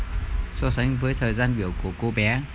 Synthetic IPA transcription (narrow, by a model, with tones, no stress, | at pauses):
so˨˦sa˨˦jŋ̟vəː˨˦jt̪ʰəː˨˩jzaː˧nɓi˧˩əwku˧˩əko˧ɓɛ˨˦